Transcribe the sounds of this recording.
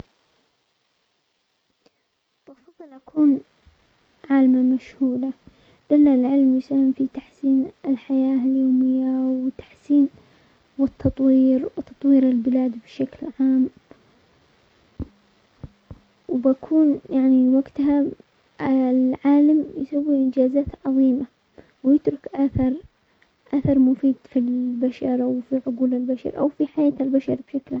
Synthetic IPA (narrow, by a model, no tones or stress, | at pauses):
b̥ɑfɑðˤːɨlʔakuːn | ʕaːlmamaʃhuːla | d̪̥alːalʕɪlmjʊsahɪmfit̪aħsiːnɪlħajaːɪljoːmɪjːawɪt̪ḁħsiːn | wɪt̪ʰːɑt̪ˤwiːɾt̪ɑt̪ˤwiːɾɪlbɪlaːd̪bɪʃaklʕaːm | wbakʰuːnjaʕniwaɡt̪ɦa | lʕaːlamjsawːiʔɪnd͡ʒaːzaːt̪ʕɑðˤiːma | wjɪt̪ɾʊkʔaθɑɾˤ | ʔaθɑɾˤmʊfiːd̪filbaʃɑɾˤʔawfiʕʊɡuːlɪlbaʃɑ̰ɾˤʔa̰wfiħajaːt̪albaʃɑɾbʃaklʕa